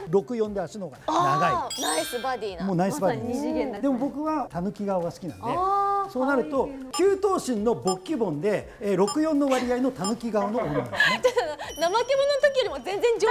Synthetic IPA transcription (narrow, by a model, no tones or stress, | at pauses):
ɾo̞kɯ̟jõ̞nd̪e̞asɯno̞ɡanaɡaiasbd̪ʲimo̞ːnaissɨbad̪ʲiːd̪e̞mo̞bo̞kɯ̟βat̪anɯ̟kʲiɡaβaɡasɨ̥kʲinã̰nd̪e̞so̞ːnaɾɯ̟t̪o̞kʲɨːt̪o̞ːɕĩnːo̞bo̞kʲːibõ̞nd̪e̞ | ɾo̞kɯ̟jõ̞nːo̞βaɾʲiainot̪anɯ̟kʲiɡaano̞nonã̰nd̪snaanamakemonot̪okʲijoɾimozẽ̞nd͡zẽ̞ɲd͡ʑ